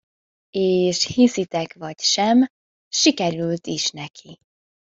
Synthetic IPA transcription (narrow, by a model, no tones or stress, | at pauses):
eːʃhisit̪ɛkvɒcʃɛm | ʃikɛɾylt̪iʃnɛkʰi